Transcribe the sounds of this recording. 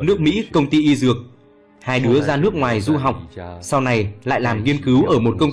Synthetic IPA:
nɨ˦˥ək̚mḭ˧˥kə˧wŋ͡mt̪i˧ʔi˧zɨ˨˩ək̚ | haː˧jɗɨ˨˦əzaː˧nɨ˦˥ək̚ŋwaː˨˩jzu˧ɦa˨˩wk͡p̚sa˧wna˨˧˩jla̰ː˧˨jlaː˨˩mŋi˧ənkɨ˨˦wʔəː˧˩mo˨˩t̚kə˧wŋ͡m

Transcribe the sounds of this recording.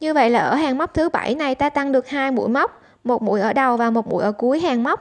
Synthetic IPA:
ɲɨ˧və̰˧˨jlaː˨˩ʔəː˧˩ɦaː˨˩ŋma˦˥wk͡p̚t̪ʰɨ˨˦ɓa̰˧˩jna˨˩jt̪aː˧t̪a˧ŋɗɨ˨˩ək̚haː˧jmṵ˧˥əjma˦˥wk͡p̚ | mo˨˩t̚mṵ˧˥əjʔəː˧˩ɗə˨˩wvaː˨˩mo˨˩t̚mṵ˧˥˩jʔəː˧˩ku˨˦əjɦaː˨˩ŋma˦˥wk͡p̚

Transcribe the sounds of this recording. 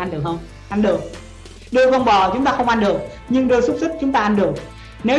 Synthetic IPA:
a˧nɗɨ˨˩ək̚hə˧wŋ͡m | ʔa˧nɗɨ˨˩ək̚ | ɗɨ˧əvɔ˧˩nɓɔ˨˩t͡ɕʊ˨˦ŋ͡mt̪aː˧xə˧wŋ͡mʔa˧nɗɨ˨˩ək̚ | ɲɨ˧ŋɗɨː˧su˦˥t̚sɨ˦˥k̚t͡ɕʊ˨˦ŋ͡mt̪aː˧ʔa˧nɗɨ˨˩əŋ̚ | ne˨˦

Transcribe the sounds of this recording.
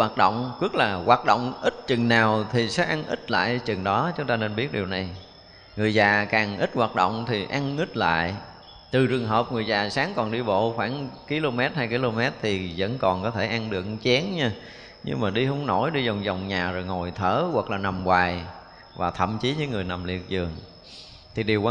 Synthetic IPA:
waː˨˩t̚ɗo̰˧˨wŋ͡mkwɨ˦˥k̚laː˨˩ɣwaː˨˩t̚ɗo̰˧˨wŋ͡mʔi˦˥t̚t͡ɕɨ˨˩ŋnaː˨˩wt̪ʰi˨˩sɛ̰ː˧˥ʔa˧ŋʔḭ˦˥t̚la̰ː˧˨jt͡ɕɨ˨˩ŋɗɔ˨˦t͡ɕʊ˨˦ŋ͡mt̪aː˧ne˧nɓi˦˥ət̚ɗi˨˩əwna˨˩j | ŋɨ˨˩əjzaː˨˩kaː˨˩ŋʔi˦˥t̚ɣwaː˨˩t̚ɗo̰˧˨wŋ͡mt̪ʰi˨˩ʔa˧ŋʔi˦˥t̚la̰ː˧˨j | t̪ɨ˨˩t͡ɕɨ˨˩əŋɦəː˨˩p̚ŋɨ˨˩əjzaː˨˩saː˨˦ŋkɔ˨˩nɗi˧ɓo̰˧˨xwaː˧˩ŋki˨˧˦lo˧mɛ˦˥t̚haː˧jki˧lo˧mɛ˦˥t̚t̪ʰi˨˩zə̰˧˥nkɔ˨˩nkɔ˨˦t̪ʰe˧˩ʔa˧nɗɨ̰˨˩ək̚t͡ɕɛ˨˦ənɲaː˧ | ɲɨ̰˧ŋmaː˨˩ɗi˧hə˧˦ŋ͡mno˧˩jɗi˧zɔ˨˩wŋ͡mzɔ˨˩wŋ͡mɲaː˨˩zo˨˩jŋo˨˩jt̪ʰəː˧˩wa˨˩k̚laː˨˩na˨˩mwaː˨˩j | vaː˨˩t̪ʰə̰˧˨mt͡ɕi˨˦ɲɨ̰ː˧˦ŋɨ˨˩əjna˨˩mlḭ˧˨ək̚zɨ˨˩əŋ | t̪ʰi˨˩ɗi˨˩əw

